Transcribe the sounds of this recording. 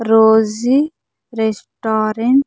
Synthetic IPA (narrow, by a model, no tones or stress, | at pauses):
ɾoːzi | ɾesʈaːɾeɳ